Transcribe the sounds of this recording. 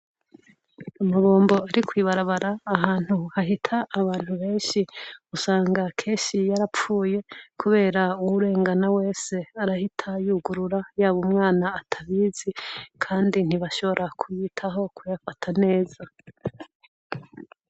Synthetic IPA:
amaβo̞ːmbo̞aɾikwiːβaɾaβaɾaːɦaːn̥huhaɦitʰaʔːβaːn̥huβe̞ːnʃiusaːŋɡakʰe̞ːnʃijaɾap͡fuːje̞kʰuβe̞ːɾauwuɾe̞ːŋɡanawe̞ːse̞aɾahitʰajuːɡuɾuɾajaːβumŋaːnaːtʰaβiːzikʰaːndin̥iβaʃo̞βo̞ɾʔakʰujiːtʰaɦo̞kʰujafatʰane̞ːza

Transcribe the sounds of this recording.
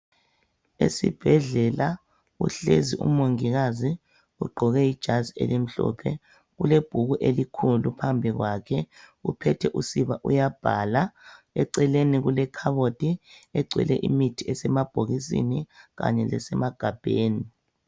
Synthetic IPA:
ḛsib̥ʱɛɮɛla | ṵɬeziʔṵmoŋiɣazi | uɡ͡ǃʱɔɣɛid̥ʒ̥ʱaziḛlim̩ɬɔ̰pʰɛ | ɣuleb̥ʱuɣuʔelikʰulupʰambʱiɣwakʰɛɣupʰɛtʰɛʔusiβaʔujab̥ʱala | ɛǀɛleniɣulɛkʰaβotʼiɛɡ͡ǀʱwɛ̰lɛʔimitʰiɛsɛmab̥ʱoɣis̬ḭniɣa̰ɲɛlɛ̰sɛmaɡ̥ʱab̥ʱeːni

